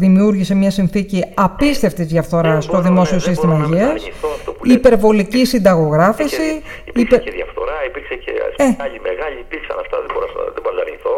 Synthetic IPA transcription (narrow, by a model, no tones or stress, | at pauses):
ðimiuɾʝisemɲɐsinθiciɐpist̪e̞ft̪izðʝɐfθo̞ɾɐst̪o̞ðimo̞siosist̪imɐɐʝiɐssioftouipe̞ɾvo̞licisind̪ɐɣo̞ɣɾɐfisi | ispceðjɐ̰fθo̞ɾɐipiɾksecḛseɐʎimeɣɐʎiːpiɾksɐ̰nɐft̪ɐ̰ðeboɾsðeboɾoɐ̰ɾɲiθo